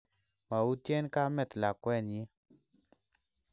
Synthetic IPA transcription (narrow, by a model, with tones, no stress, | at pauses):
ma˨u˦tje˦nka˦mɛ˦˨t̪la˨kwɛ˦˨njɪ˦